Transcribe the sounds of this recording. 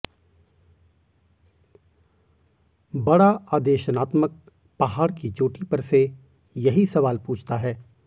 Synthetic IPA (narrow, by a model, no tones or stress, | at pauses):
bɐɽaaːd̪eːʃənaːt̪mək̚ | pɐɦaːɽkid͡ʒoːʈipɐɾse | jɐɦisɐʋaːlpuːt͡ʃʰt̪aɦɛː